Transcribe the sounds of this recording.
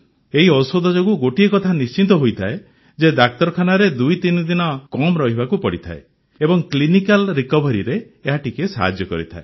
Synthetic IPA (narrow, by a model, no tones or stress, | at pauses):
eɦiɔsod̪ʱɔd͡ʒoɡuɡoʈiekɔt̪ʰanist͡ʃint̪ɔɦojt̪ʰae | d͡ʒed̪ak̚t̪ɔɾɔkʰanaɾed̪ujt̪inɔd̪inɔkɔmɾɔɦibakupɔɽit̪ʰa̰e | ebɔŋklinikalɾikɔbɔɾiɾeː | ɦaʈikesa̰ɦa̰d͡ʒjɔkɔ̰ɾit̪ʰa̰e